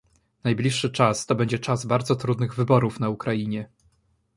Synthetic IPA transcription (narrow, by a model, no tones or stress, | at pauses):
najblʲiʂːɘt͡ʂast̪ɔbɛɲd͡ʑɛt͡ʂazbaɾd̪zɔt̪ɾud̪nɘɣvɘbɔɾufnaukɾajiɲɛ